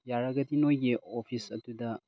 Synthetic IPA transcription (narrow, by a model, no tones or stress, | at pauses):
jaɾɐɡɐdinojɡiopʰisɐtudɐ